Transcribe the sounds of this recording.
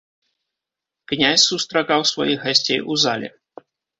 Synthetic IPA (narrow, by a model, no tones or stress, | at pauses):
knʲasʲsust̪ɾakawsva̰jiɣɣasʲt͡sʲejʔuza̰lʲɛ̰